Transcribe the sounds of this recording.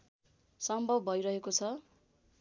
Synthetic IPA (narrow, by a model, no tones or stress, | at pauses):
sʌmbʱʌbbʱʌjɾʌɦekot͡sʰʌ